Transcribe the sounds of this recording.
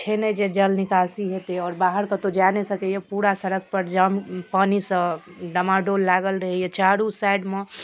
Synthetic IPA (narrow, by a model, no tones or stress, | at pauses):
t͡ʃʰened͡ʒed͡ʒəlnɪkaːsiɦet̪eɔːɾbaːɦəɾkət̪od͡ʒaːnesəkɛjepuːɾasəɾək̚pəɾd͡ʒampaːnisə̃ | ɖəmaɖolːaɡəlɾəɦɛjet͡ʃaːɾusaɪɖme